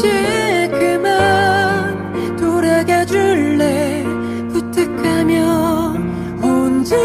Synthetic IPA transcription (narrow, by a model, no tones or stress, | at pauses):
ikɯma | n | toɾeɡad͡ʑuɭːe | put̪ʰɯkʰamjʌ | ond͡ʑɯ